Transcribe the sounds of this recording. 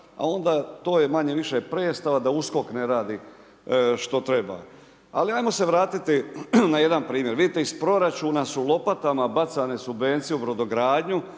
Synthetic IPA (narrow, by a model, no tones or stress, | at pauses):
a̰o̞nd̪at̪o̞ːjemaɲeʋiʃepɾeːst̪aʋad̪ausko̞kneɾaːd̪i | ʃt̪o̞t̪ɾe̞ba̰ | a̰liajmo̞seʋɾaːt̪it̪inaje̞d̪anpɾiːmje̞ɾʋid̪it̪eispɾo̞ɾat͡ʃuːnasulˠo̞pat̪amabat̪sane̞subʋe̞nt̪sijeubɾo̞d̪o̞ɡɾaːd̪ɲu